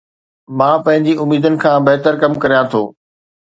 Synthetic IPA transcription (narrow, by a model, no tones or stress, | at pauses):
mãːpɐ̃ɦɪ̃ɲd͡ʑiʊmiːd̪ənɪ̆kʰãːbɐɦt̪əɾkɐmkɐɾijãt̪ʰo̰ː